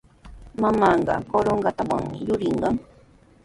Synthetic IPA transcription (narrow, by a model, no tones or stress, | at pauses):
mamaɴɢɑ̰koɾoɴɢɑt̪awa̰ŋmɪjʊɾɪɴɢɑŋ